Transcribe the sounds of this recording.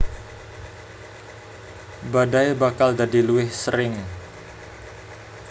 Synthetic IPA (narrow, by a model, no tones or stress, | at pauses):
badajbakald͡ʒadiluɪhsəɾɪŋ